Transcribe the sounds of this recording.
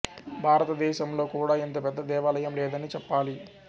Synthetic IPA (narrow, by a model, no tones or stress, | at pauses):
bʱaːɾɐt̪ɐd̪ɛːʃɐmlo̞ːkuːɽaːent̪oːpɛd̪ːɐd̪ɛːʋaːlɐjɐmlɛːd̪ɐnit͡ʃɛpːaːli